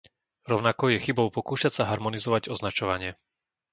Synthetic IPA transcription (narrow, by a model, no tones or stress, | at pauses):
ɾɔʊnakɔjɛxibɔʊpɔkuːʃacsaɦaɾmɔnizɔʋaɟɔznat͡ʃɔʋaɲɪɛ